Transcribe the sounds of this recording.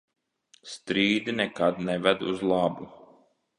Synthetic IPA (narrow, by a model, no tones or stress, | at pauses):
st̪ɾiːd̪inɛkad̪nɛvɛd̪uzlˠabu